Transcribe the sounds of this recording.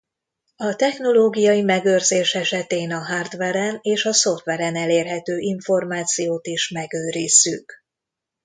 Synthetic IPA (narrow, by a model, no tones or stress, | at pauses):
ɒt̪ɛxno̞loːɡijɒjimɛɡørzeːʃɛʃɛt̪eːnɒɦard̪ʋɛɾɛneːʃɒso̞ft̪ʋɛɾɛnɛleːrɦɛt̪øːʔiɱfo̞rmaːt̪sijoːt̪iʃmɛɡøːɾiːsyk